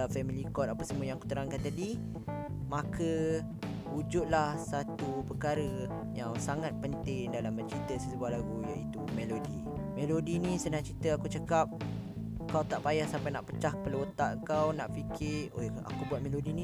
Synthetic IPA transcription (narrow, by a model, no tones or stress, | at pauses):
fɛmilikɔt̪̚apasəmũəjaŋaku̥t̪əɾaŋkant̪adi | makʰə | ud͡ʒʊt̪̚lahsat̪upəkaɾə | jaŋsaŋat̪̚pənt̪ɪŋdalambət͡ʃit̪əsəsəbuahlaɡujaʔit̪umelodi | melodinĩsənãŋt͡ʃit̪əakut͡ʃəkap̚ | əkawt̪aʔpajahsampajnaʔpət͡ʃahpəlot̪aʔəŋkawnaʔfikʰɪoa̰kubuat̪̚melodinĩ